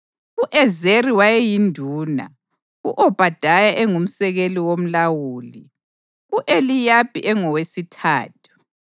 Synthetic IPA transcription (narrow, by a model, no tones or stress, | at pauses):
uʔɛzeriwajɛjindʱuːna̰ | uʔɔb̥ʱad̥ʱajaʔɛŋum̩sɛɣeliwom̩lawuːli | uʔelijab̥ʼʱiʔɛŋɔwesitʰa̰ːtʰu̥